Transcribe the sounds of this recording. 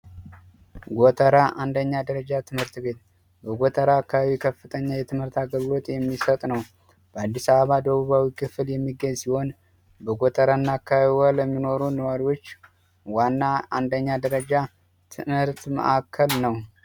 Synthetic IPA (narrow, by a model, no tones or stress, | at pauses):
ɡot̪ʰʼəɾaʔand̪əɲːad̪əɾəd͡ʒat̪ʰɨmhɨɾt̪be̞t̪̚ | bəɡʷot̪ʰʼəɾakːaβaβikʰəfːɨt̪ʰʼəɲːajɛt̪ʰɨmhɨɾt̪aɡəlːo̞t̪ʼjɛmːisət̪ʼnəw | b̥əad̪ːisaβəβad̪əβuβawikʰɨfɨljɛmːiɡəɲsiho̞n | bəɡʷot̪ʼəɾanːakʰːaβaβiwaləmːino̞ɾunəwaɾiwo̞t͡ʃː | wanːaand̪əɲːad̪əɾəd͡ʒa | t̪ʰɨmhɨɾt̪mə̰ʔakʰːəlnəw